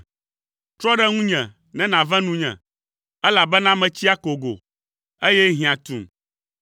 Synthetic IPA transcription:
t̪ɾɔ˦ɖɛ˦ŋũ˦ɲɛ̃˨ | nɛ̃˦nã˨vɛ̃˦nũ˦ɲɛ̰̃˨ | ɛ˦la˨bɛ˦nã˦mɛ̃˨t͡ɕi˦a˦ko˨ɡo̰˨ | e˦jɛ˦ɦĩ˨ã˨t̪ṵ̃˨m

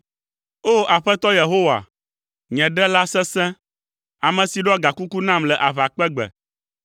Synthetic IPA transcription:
o˦˨a˨ɸɛ˦t̪ɔ˦je˨ɦo˦wa̰˨ | ɲɛ̃˨ɖɛ˦la˦sɛ̃˦sɛ̃˦ | a˨mɛ̃˨si˨ɖɔ˦ɡa˨ku˦ku˦nã˦mlɛ˨ʔa˨βa˨k͡pɛ˦ɡ͡bɛ̰˨

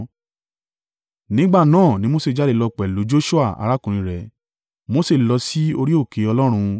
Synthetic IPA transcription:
nĩ˨˦ɡ͡ba˦˨nãː˦˨nĩ˨˦mo˦se˦˨d͡ʒa˨˦de˧˨lɔ˧k͡pɛ˨lo˨˦d͡ʒo˦ʃu˦a˦˨a̰˧ɾa˦kũ˨ĩ˧˦ɾɛ˧ | mo˦se˦˨lɔ˧si˦o˧ɾi˦o˦˨ke˨˧˦ɔ˧lɔ˦ɾ̃ũ˧

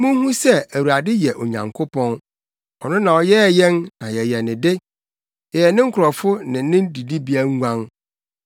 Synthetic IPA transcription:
mũ˦hũ˦sɛ˦˨æ˨wu˨ɾa˨dɪ˦jɛ˨ʔɔ˨ɲã̰˨ŋkʰʊ˦pʰɔ̃˦n | ɔ˨nʊ̃˦nã˨ɔ˨jɛ˦˨jɛ̃˦nnã˨jɛ˨jɛ˨nɪ̃˨dɪ˦ | jɛ˨jɛ˨nɪ̃˦ŋ̩˦kʰʊ˨ɾɔ˨fʊ˦nɪ̃˨˦nɪ̃˦n˦di˨di˦bi˦æ˦ŋ˦ɡʷã˦ŋ

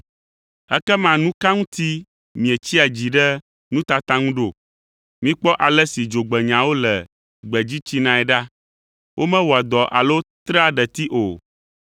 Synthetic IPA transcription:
ɛ̰˦kɛ˦mã˨nũ˦kã˦ŋũ˦t̪i˦ | mĩ˨e˨t͡ɕi˦a˨d͡ʑi˨ɖɛ˦ | nũ˦t̪a˨t̪ã˦ŋũ˦ɖo˨ | mĩ˦k͡pɔ˦ʔa˨lɛ˦si˨d͡ʒo˨ɡ͡bɛ˨ɲã˨wo˦lɛ˨ | ɡ͡bɛ˨d͡ʑi˦t͡ɕi˦nã˦ɛ˨ɖa˦ | wʔo˦mɛ̃˦wɔ˨a˨d̪ɔ˨ʔa̰˨lo˦t̪ɾa˦ɖɛ˨t̪i˦ʔo˨

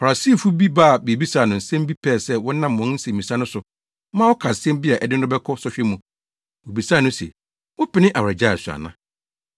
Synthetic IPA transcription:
fa˨a˨si˦˨fu˦bi˦ba˦˨be˨bi˦sa˦˨nʊ̃˨n̩˨sɛ̃˦m˦bi˦pʰɛː˦˨sɛ˦wɔ̃˦nã˦mː˨ɔ̃˨˦n̩˦sɛ˨mĩ˨sa˦nʊ̃˦sʊ˨ | mã˦wɔ˦kʰa˨sɛ̃˦m˦bi˦a˨ʔɛ˨dɪ˦n̩˦ʊ˦bɛ˦kʰɔ˦sɔ˦ɕᶣɛ˦mũ˨ | wo˨bi˨saː˦˨nʊ̃˦sɛ̰˨ | wɔ˦pɪ˦nɪ̃˦ʔa˨wɾa˨d͡ʑa˦˨su˨a̰˨nã˦

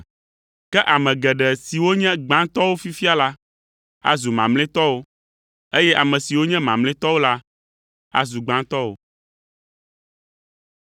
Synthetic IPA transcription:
kɛ˦ʔa˨mɛ̃˨ɡɛ˨ɖɛ˨si˨wo˦ɲɛ̃˦ɡ͡bã˦t̪ɔ˦wo˦fi˦fi˦a˦la˦ | a̰˦zu˨mã̰˨mlɛ̃˦t̪ɔ˦wo˦ | e˦jɛ˦ʔa˨mɛ̃˨si˨wo˦ɲɛ̃˦mã˨mlɛ̃˦t̪ɔ˦wo˦la˦ | a̰˦zu˨ɡ͡bã˦t̪ɔ˦wo̰˨

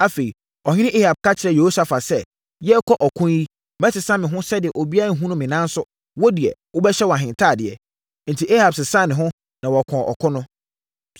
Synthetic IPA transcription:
a˦fe˨i˨ | ɔ˨ɲɪ̃˦ɪ̃˦ʔe˦ha˨b̚kʰa˦t͡ɕʰɪ˨ɾɛ˨je˨ho˦sa˨fa˨sɛ˦ | jɛ˦kʰɔ˦ʔɔ˨kʰʊ̃˦ji˦ | mɛ̃˦tʰɪ˨sã˦mɪ̃˨ɦʊ̃˦sɛ˦dɪ˨ɛ˨ʔo˨bi˦a˦˨ɦũ˦nʊ̃˦mɪ̃˨nã˦n˦sʊ˦ | wɔ˦di˨ɛ̰˨wʊ˦bɛ˦ɕɛ˦wɔ˨a˨ɦɪ̃˨ntʰa˦˨dɪ˨ɛ̰˨ | n̩˨tʰi˨ʔe˦ha˨bsɪ˨sã˦˨nɪ̃˨ɦʊ̃˦ | nã˨wɔ˨kʰɔ̃˨ʔɔ̰˨kʰʊ̃˦nʊ̃˦

